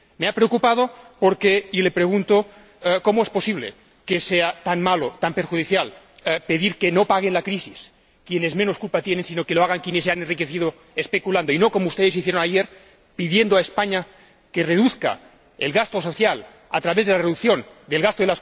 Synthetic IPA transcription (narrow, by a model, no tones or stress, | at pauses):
meapɾeokupað̞opoɾkeilepɾeɣ̞unt̪o | komoespo̞siβ̞lḛ | keseat̪anmalot̪ampeɾxuðiθjal | peðiɾkenopaɣ̞enlakɾisis | kjenezmẽnoskulpat̪jenensinokeloaɣaŋkjenesːeanenrikeθiðo | espekuland̪oinokomoust̪eðesiθjeɾonajeɾ | piðjend̪oaespaɲa | kereðuθka̰ | ḛlɣast̪osoθjal | a̰t̪ɾaβezðelareðukθjon | d̪elɣast̪oðelas